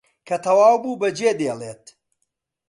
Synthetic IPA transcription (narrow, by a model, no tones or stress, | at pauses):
kʰɐt̪ʰɐwaːwbuːbɐd͡ʒeːd̪eːlˠeːt̪̚